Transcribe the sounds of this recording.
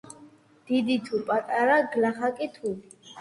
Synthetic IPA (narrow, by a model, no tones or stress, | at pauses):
d̪̥id̪it̪ʰupʼat̪ʼaɾaɡlaχakʼit̪ʰuli